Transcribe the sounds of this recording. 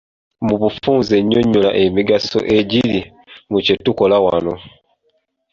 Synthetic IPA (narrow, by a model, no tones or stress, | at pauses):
muβufuːnzeɲoɲulaʔemiɡaso̰ʔeɟili | mucetukolawano